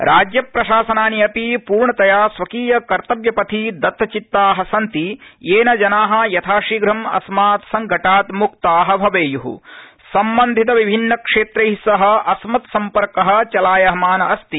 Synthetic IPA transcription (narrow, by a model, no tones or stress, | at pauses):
ɾʔaːd͡ʒjɐpɾɐʃaːsɐnaːniɐpipuːɾɳɐt̪ɐjaːsʋɐkiːjɐkɐɾt̪ɐʋjɐpɐt̪ʰid̪ɐt̪ːɐt͡ʃit̪ːaːɦɐsɐnt̪ijeːnɐd͡ʒɐnaːɦɐ̆jɐt̪ʰaːʂiːɡɾɐmɐ̰smaːt̪sɐŋɡʱɐʈaːt̪muk̚t̪aːɦɐ̆bʱɐʋeːjuɦṵ | sɐmbɐnd̪ʱit̪ɐʋibʱinːɐkʂeːt̪ɾɐɦisɐɦɐ̆ɐsmɐt̪sɐmpɐɾkɐɦɐ̆t͡ʃɐlaːjɐɦɐmaːnɐɐst̪i